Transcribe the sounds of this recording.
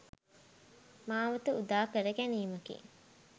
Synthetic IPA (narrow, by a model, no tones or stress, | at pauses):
maːʋɐt̪əud̪aːkəɾəɡæniːmɐkḭ